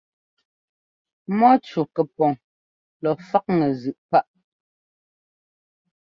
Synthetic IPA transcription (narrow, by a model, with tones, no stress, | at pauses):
mɔ˦t͡ʃu˨kɛ˨pɔ˨ŋ | lɔ˨fa˦k̚ŋɛ˨zʉ˨ʔpa˦ʔ